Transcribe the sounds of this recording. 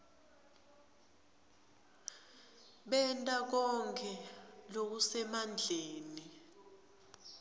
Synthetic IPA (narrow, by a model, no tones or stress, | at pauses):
ɓɛntʼak̬ɔŋkʰɛlok̬usɛmand͡ɮʱeːni